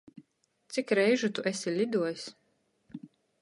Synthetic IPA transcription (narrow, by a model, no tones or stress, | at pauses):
t̪sikɾɛjʒut̪uʔɛsʲilʲid̪uɔjs